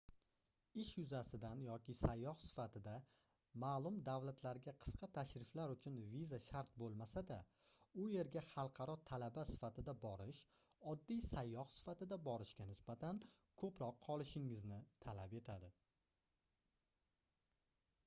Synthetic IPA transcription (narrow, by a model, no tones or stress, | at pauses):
ɪʃjʊzasɪd̪anjɒkʲɪsajːɒhsɪ̥fat̪ʰɪd̪a | maːlˠʊmd̪avlat̪ʰlaɾɡʲaqʰɨ̥sqʰɑt̪ʰaʃɾɪflaɾʊt͡ʃʰʊnvizaʃaɾt̪̚bolˠmasad̪a | ʊje̞ɾɡʲaχɑlˠqʰɑɾɒt̪ʰalabasɪ̥fat̪ʰɪd̪abɒɾɪʃ | ɒd̪ːijsajːɒhsɪ̥fat̪ɪd̪abɒɾɪʃɡʲanɪsbat̪ʰan | kʰɵpɾɒqʰːɒlˠɪʃɪŋɪznɪt̪ʰalape̞t̪ʰad̪ɪ